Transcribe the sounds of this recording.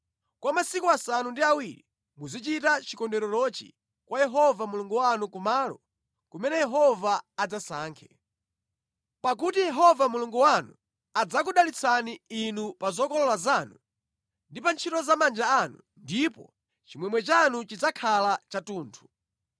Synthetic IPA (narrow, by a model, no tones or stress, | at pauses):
kwamasikuasanundiawiɾi | muzit͡ʃitat͡ʃikɔndɛɾɔlɔt͡ʃḭ | kwajɛɦɔvamuluŋɡuwanukumaːlɔ̰ | kumɛnɛjɛɦɔvaːd͡zasaːŋkʰɛ | pak̬utijɛɦɔvamuluŋɡuwanu | ad͡zakuɗalit͡sʰaniinupazɔkɔlɔlazaːnu | ndipant͡ʃʰitɔzamand͡ʒaːnṵ | ndipɔ̰ | t͡ʃimwɛmwɛt͡ʃanut͡ʃid͡zakʰalat͡ʃatuːntʰu̥